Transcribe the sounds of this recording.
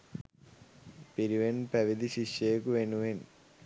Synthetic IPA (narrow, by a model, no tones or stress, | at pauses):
piɾiʋenpɐʋid̪iɕiʂejkuʋenuʋen